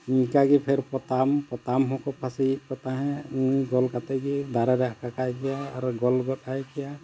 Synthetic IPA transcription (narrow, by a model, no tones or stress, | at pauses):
mikaɡipʰeɾpɔt̪ampɔt̪amɦɔ̃kɔpʰasit̚kɔt̪aɦɛ̃mujɡɔlkat̪ɛɡid̪aɾɛɾɛakakajɡɛjaːɾɡɔlɡɔt̪ajkɛja